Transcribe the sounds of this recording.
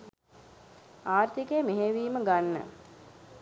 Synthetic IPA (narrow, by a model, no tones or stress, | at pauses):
aːrt̪ikemeɦeʋiːməɡanːə̰